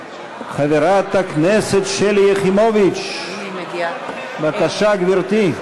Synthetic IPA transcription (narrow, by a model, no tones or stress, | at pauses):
χaveɾat̪akneset̪ʃeljeχimovit͡ʃ | bakaʃaɡviɾt̪i